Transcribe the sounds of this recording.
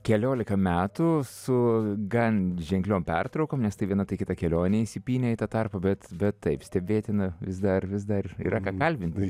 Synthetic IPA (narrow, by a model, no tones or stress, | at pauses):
kʲɛlʲoːlʲɪkɐmʲæːt̪ʊsʊɡɐnʲʒʲɛŋʲklʲoːmpʲɛrt̪ɾɒʊkoːmnʲɛst̪ɐɪʋʲiɛnɐt̪ɐɪkʲɪt̪ɐkʲɛlʲoːnʲeisʲɪpʲiːnʲɛit̪ɐt̪ɑrpɐbʲɛt̪bʲɛt̪tɐɪpsʲt̪ʲɛbʲeːt̪ʲɪnɐʋʲɪsd̪ɐrʋʲɪsd̪ɐrḭːɾɐkɑːkɐlʲbʲɪnʲt̪ʲɪ